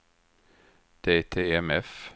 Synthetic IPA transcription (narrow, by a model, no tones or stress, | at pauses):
d̪̥eːt̪ʰeːɛmɛf